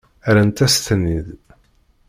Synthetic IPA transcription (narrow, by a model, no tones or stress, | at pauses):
æɾənt̪æst̪ənːið